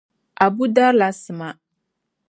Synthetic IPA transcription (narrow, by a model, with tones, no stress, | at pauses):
a˨bu˦da˦ɾla˨sɨ˨ma˨